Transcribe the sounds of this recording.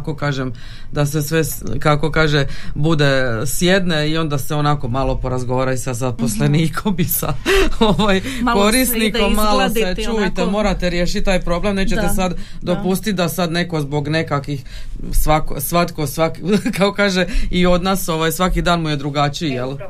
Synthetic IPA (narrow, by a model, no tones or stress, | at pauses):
kokaːʒem | d̪ase̞sʋe | kako̞kaːʒebud̪e̞sje̞d̪neio̞nd̪aseo̞nako̞malo̞po̞ɾazɡo̞ʋaːɾaisad̪sapo̞sleniːkʰombisa̰oʋaj | koɾist̪nikomaloset͡ʃujit̪emo̞ːɾat̪e̞ɾjeːʃit̪̚t̪aːjpɾo̞ble̞mnet͡ʃet̪esad̪ | d̪o̞pust̪it̪̚d̪asad̪ne̞ko̞zbo̞ɡne̞kakʋix | sʋakosʋat̪ko̞sʋakkakokaːʒeio̞d̪naːso̞ʋajsʋakid̪aːnmujed̪ɾuɡat͡ʃijelˠ